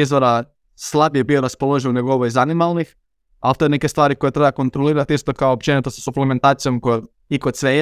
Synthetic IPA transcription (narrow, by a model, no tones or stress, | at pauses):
izʋoɾa | slˠabjebioɾaspolˠo̞ʒinneɡooʋojzanimalnix | alt̪oeneke̞st̪ʋaːɾiko̞jet̪ɾebako̞nt̪ɾoliːɾat̪ist̪o̞kaoːp̚t͡ʃenit̪osḁsuplement̪aːt̪sijo̞mkoj̪ | ikod̪sʋe